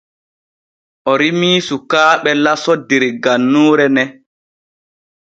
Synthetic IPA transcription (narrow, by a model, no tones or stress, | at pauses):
ʔɔɾimiːsukaːɓɛlasɔdeɾɡanːuːɾɛnɛ